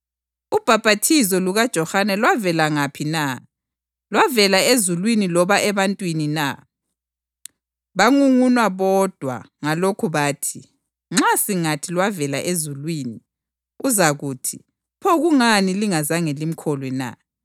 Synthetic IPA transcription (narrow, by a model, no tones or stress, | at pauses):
ub̥ʱab̥ʱatʰizɔluɣad̥ʒ̥ʱɔhanɛlwavɛlaŋapʰina | lwavɛlaezulwinilɔβaʔɛβantʼwinina̰ | βaŋuŋunwaβɔd̥ʱwa̰ | ŋalokʰuβaːtʰi | ŋ͡ǁasiŋatʰilwavɛlaʔezulwiːni | uzaɣuːtʰi | pʰɔɣuŋaniliŋazaŋelim̩kʰɔlwɛna̰